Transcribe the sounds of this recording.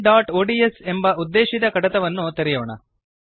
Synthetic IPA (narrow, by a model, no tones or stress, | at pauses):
ɖaːʈoːɖiesembɐud̪ːeːʃid̪ɐkɐɽɐt̪ɐʋɐnːut̪ɐɾijoːɳɐ̰